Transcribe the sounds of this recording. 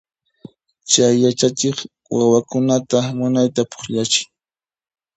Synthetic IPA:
t͡ʃajːat͡ʃat͡ʃɪχ | wawakʊnat̪amʊnajt̪apʊ̥χʎat͡ʃɪ̥ŋ

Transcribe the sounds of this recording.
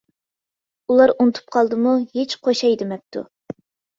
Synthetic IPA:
ulˠɑɾunɨt̪ʰu̥p̚qʰɑlˠd̪ɨmuhet͡ʃqʰoʃɑjd̪ɪmɛp̚t̪ʰṵ

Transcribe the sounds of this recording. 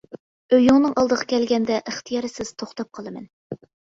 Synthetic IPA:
øjuŋnɨŋʔɑlˠd̪əʁɑkʲʰɛlɡʲɛnd̪ɛʔəχt̪ʰɨjɑɾɨsɪz̥t̪ʰoχt̪ɑp̚qʰəlˠɨmɛ̰n

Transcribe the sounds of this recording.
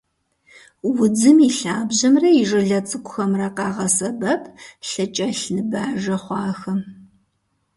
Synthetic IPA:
wʊd͡zɨmiɬaːbʑɐmrɐjɪʐɨɮɐt͡sʼɨkʷʼʊxɐmrɐqɑːʁɐsɐbɐpʰɬɨt͡ʃʼɐɬnɨbaːʐɐχʷɑːxɐm

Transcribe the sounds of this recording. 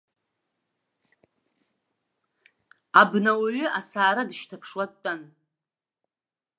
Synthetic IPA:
abnawaɥʏʔasaːɾadɨʃtʰapʰʂwatʼːan

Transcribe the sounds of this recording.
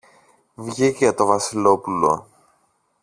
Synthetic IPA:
vʝiʝɐt̪o̞vɐsilo̞pulo̞̰

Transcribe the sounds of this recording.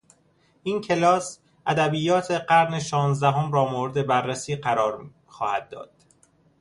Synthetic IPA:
ʔiːncʰe̞lɒːs | ʔæd̪æbiːjɒːt̪ʰe̞ɢæɾne̞ʃɒːnzd̪æɦomɾɒːmoːɾed̪e̞bærːesiːɢæɾɒːɾ | xɒːhæd̪̚ːɒ̰ːd̪̥

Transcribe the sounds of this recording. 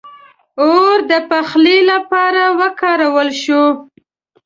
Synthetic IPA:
oɾd̪əpaxlilapɑɾawəkɑɾawəlʃo

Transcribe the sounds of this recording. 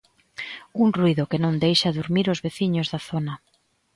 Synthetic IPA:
uŋruiðʊkenõnd̪ejʃɐðuɾmiɾozβeθiɲʊzðɐθonɐ

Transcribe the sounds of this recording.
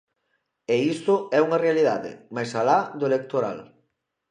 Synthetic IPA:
eist̪ʊɛuŋɐrealiðaðɪ̰majsalaðʊelek̚t̪oɾa̰l

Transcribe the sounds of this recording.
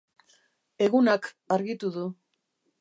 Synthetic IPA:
e̞ɣunak | aɾɣit̪uðu

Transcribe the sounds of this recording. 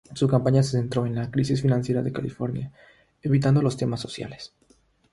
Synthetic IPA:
sukampaɲasese̞nt̪ɾo̞e̞nlakɾisisfinãnsje̞ɾaðe̞kalḭfo̞ɾnja | e̞βit̪̬and̪o̞lo̞st̪e̞masːo̞sja̰le̞s

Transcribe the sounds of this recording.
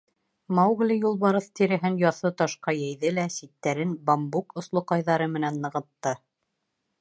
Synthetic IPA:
mɑwɣlʲijulˠβɑɾɤθt̪iɾɘ̆ɦɘnjɑθɤt̪ɑʃqɑjæjðɘlæsit̪ːæɾɘnbɑmbukŏslˠŏqɑjðɑɾɤmɘ̆nænːɤ̆ʁɤ̆t̪ːɤ

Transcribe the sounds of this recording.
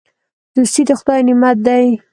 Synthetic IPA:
d̪̥ust̪id̪əxʊd̪ɑjnɪmat̪̚d̪aj

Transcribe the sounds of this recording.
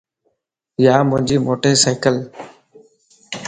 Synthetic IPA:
jaːmʊ̃ɦɪ̃ɲd͡ʑiːmoːʈeːsaːɪkəl

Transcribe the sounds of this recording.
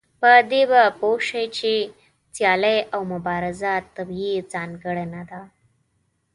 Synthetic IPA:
pəd̪ebəpowʂəjt͡ɕi | t͡sjalejʔawmubaɾəzat̪ːəbjid͡zanɡəɽənad̪a

